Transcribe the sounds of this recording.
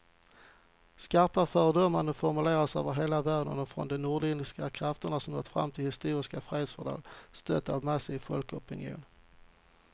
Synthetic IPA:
skaɾpafœːɾədɔmːand̪əfɔɾmɵleːɾasœːvəɾɦeːlavæːɖənɔfɾɔ̰nd̪ɛnuːɖɪnɪskakʰɾaft̪əɳasɔmɔ̰t̪fɾa̰mːt̪ʰɪlhɪst̪uːɾɪskafɾeːd̪sfœɖɑ̰ːɡst̪œt̪ːavmasɪfɔlkɔpɪnjṵːn

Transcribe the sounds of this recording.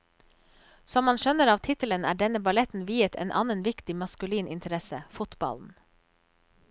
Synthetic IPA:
sɔmːɑnʃœnəɾɑːʋt̪ʰɪt̪ələnæ̰ːɖɛnəbɑlɛt̪n̩ʋiːət̪ʰɛ̰ːnʔɑnənʋɪkt̪ɪmɑskʉliːnʔɪnt̪ʰəɾɛsəfʊt̪bɑ̰ln̩

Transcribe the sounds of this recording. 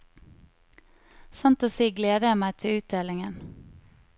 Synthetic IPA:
sɑnt̪oːsiːɡleːd̪əæːmæɪt̪ʰɪʉːt̪̚d̪eːlɪŋən

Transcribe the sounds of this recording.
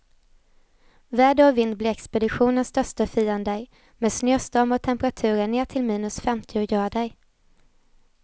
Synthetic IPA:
væːɖəɔvɪnd̪̚blɪːɛkspɛd̪ɪɧuːnənsd̪œʂt̪əfiːənd̪əj | mɛːd̪snøːst̪ɔmɔt̪ʰɛmpəɾat̪ʰʉ̟ːɾəɳeːʈʰɪlmiːnɵsfɛmt̪ʰɪʊjœːɖɛj

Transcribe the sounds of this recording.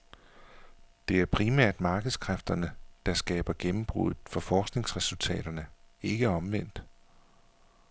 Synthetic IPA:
d̥e̝æɐpʰʁimæɐ̰d̥mɑ̈ːɡ̥əð̞̩ˠskʰʁafd̥ɐnəd̥ɑ̈sɡ̥ɛ̰ːb̥ɐɡ̥emm̩b̥ʁṵð̩ˠfɒ̽fɒːsɡ̥ne̝ŋsʁɛsult͡sʰɛ̰ːɾ̥ɐnəe̝ɡ̥əɒ̽mʋen̰d̥

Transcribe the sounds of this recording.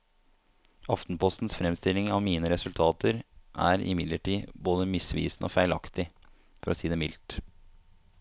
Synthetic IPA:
ɑft̪n̩pʰɔst̪n̩sfɾɛmst̪ɪlːɪŋɑʋmiːnəɾɛsʉlt̪ʰɑːt̪əɾʔæ̰ːɾɪ̰mɪd̪ləʈʰiːboːd̪əmɪsʋḭːsn̩ʔo̰ːfæɪlɑkt̪ɪ | fɔɾɔsiːd̪ɛmɪlt̪

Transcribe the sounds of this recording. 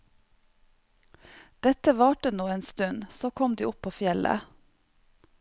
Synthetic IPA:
d̪̥ɛt̪əʋɑːʈənuːeːnst̪ʉnsoːkʰɔmd̪ḭːʔʊpʰoːfjɛlə̰

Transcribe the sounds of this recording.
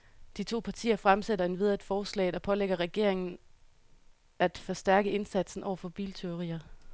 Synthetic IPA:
d̥it͡sʰo̝̰ːpʰɑ̈t͡sʰḭːɐfʁamseɾɐe̝nʋeð̞ˠɐd̥fɒːslɛ̰ːɪd̥æpʰɒ̽leɡ̥ɐʁɛɡ̥e̝ɐ̰e̝ŋn̩ | æd̥fɒ̽sd̥æɐɡ̥əe̝nsæd̥sn̩ʔɒ̰ʊɐfɒ̽b̥ḭːlt͡sʰe̝o̝ʁḭːɐ

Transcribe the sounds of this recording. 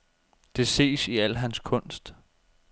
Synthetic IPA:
d̥e̝se̝̰ːsiæl̰ɦænskʰɔ̽n̰sd̥

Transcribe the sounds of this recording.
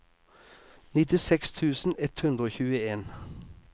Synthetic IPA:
nɪt̪ɪsɛkst̪ʰʉːsn̩ɛt̪hʉnd̪ɾəoːçʉːəeːn

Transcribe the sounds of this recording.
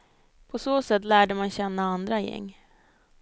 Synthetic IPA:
pʰɔsoːsɛt̪ːlæːɖəmanɕɛnːaand̪ɾajɛ̰ŋː

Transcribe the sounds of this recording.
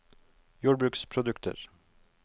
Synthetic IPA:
juːɖbɾʉːkspʰɾʊd̪ʉkt̪ʰə̰ɾ

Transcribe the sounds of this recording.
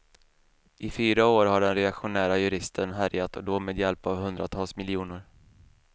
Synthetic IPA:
ʔɪfyːɾaoːɾɦaɖɛnɾɛakɧʊnæːɾajɵɾɪst̪ʰənɦæɾjat̪ɔd̪ɔmeːd̪jɛlpavhɵnd̪ɾat̪ʰɑːlsmɪlɪuːnʊɾ

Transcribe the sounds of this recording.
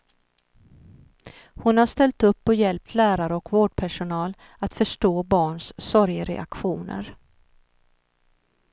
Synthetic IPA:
hʊnhaʂt̪ɛlt̪ɵpːɔjɛlp̚t̪ʰlæːɾaɾəɔkvoːɖ̚pʰæʂʊnɑːl | at̪fœʂʈoːbɑːɳssɔɾjəɾɛ̰a̰kɧuːnə̰ɾ

